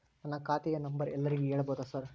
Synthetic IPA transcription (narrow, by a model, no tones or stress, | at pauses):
nɐnːɐkaːt̪ijenɐmbɐɾɛlːɐɾiɡeeːɭɐboːd̪ɐsɐɾ